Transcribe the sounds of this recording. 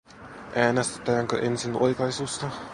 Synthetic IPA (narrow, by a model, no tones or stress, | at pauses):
ʔæːnest̪e̥t̪æːŋkø̰ʔensinʔoikɑisuːst̪ɑ